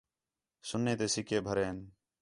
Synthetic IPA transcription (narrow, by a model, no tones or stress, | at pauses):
sʊnːeːt̪eːsɪkʰeːbʱəɾeːn